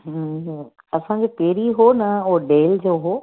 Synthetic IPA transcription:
ɦ | ɐsãd͡ʑeːpeːɾiɦonɐoɖeːld͡ʑoːɦoː

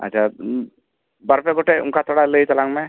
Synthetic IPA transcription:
ɐ̰ːʃʰa | bɐɾpeɡoʈeʊ̰nkat̪ʰoɽaləit̪ɐlãŋmẽ

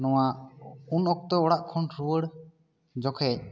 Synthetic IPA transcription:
nɔwaunɔk̚t̪ɔɔɽaʔkʰɔnɾuəɽ | d͡ʒɔkʰɛc̚

